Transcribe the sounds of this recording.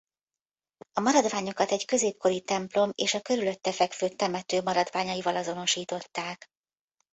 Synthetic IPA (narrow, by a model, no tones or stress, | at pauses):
ɒmɒɾɒd̪vaːɲo̞kɒt̪ɛɟkø̞zeːp̚ko̞ɾit̪ɛmplo̞meːʃɒkø̞ɾylø̞t̪ːɛfɛkføːt̪ːɛmɛt̪øːmɒɾɒd̪vaːɲɒjivɒlɒzo̞no̞ʃiːt̪o̞t̪ːaːk